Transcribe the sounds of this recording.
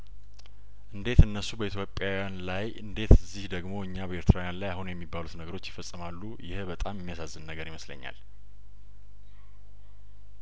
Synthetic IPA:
ʔɨnd̪e̞t̪ɨnːəsːubəit̪ʰjo̞pʼjawjanlajɨnd̪e̞t̪ɨzihd̪əɡmo̞ɨɲːabəe̞ɾt̪ʰɾawjanlajahunujɛmːibːalut̪nəɡəɾo̞t͡ʃːjɪfəsʼɨmalːujɪ̰bət̪ʼamjɛmːijasazːɨnnəɡəɾiməslə̰ɲːa̰l

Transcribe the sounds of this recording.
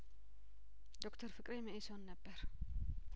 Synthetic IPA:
d̪o̞kt̪ʰəɾfɨkʼɾemɨʔisonːəbːəɾ

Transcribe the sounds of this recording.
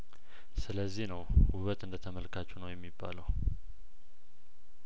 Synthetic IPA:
sɨləzːihnəwhuβət̪ɨnd̪ət̪ʰəməlkʰat͡ʃːunəwjɛmːibːa̰ləw

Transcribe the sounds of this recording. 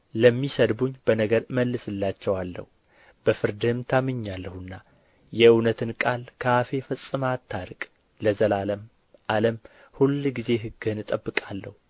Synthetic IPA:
ləmːisəd̪buɲːb̥ənəɡəɾməlːɨsɨlːat͡ʃːɛwalːə̰hu | b̥əfɨɾd̪ɨhɨmt̪ʰamɨɲːalːəhɨnːa | jɛɨwnət̪ʰɨnkʼalkʰəafe̞fəsʼːɨmat̪ʰːaɾɨkʼ | ləzəlaləm | ʔaləm | hulɡize̞ɦɨɡɨɨnɨt̪ʼəbːɨkʼalːə̰hu

